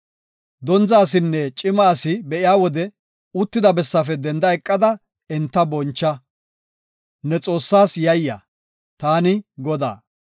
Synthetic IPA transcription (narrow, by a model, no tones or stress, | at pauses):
d̪ɔnzaːs̬ɪnːɛt͡ʃʼɪmaːsɪbɛʔɪjaːwɔd̪ɛ | ʊt̪ːɪd̪ɐbɛsːɐfɛd̪ɛnd̪ɐɛkʼːɐd̪ɐ | ɛnt̪ːɐbɔnt͡ʃːɐ | nɛt͡sʼo̞ːsːaːsjɐjːɐ̰ | t̪aːnɪɡɔd̪a̰ː